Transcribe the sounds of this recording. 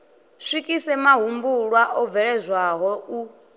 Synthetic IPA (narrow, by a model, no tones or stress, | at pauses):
sʷikʼisɛmaɦumbuɺwaʔɔvɛɺɛzʷwaɦɔu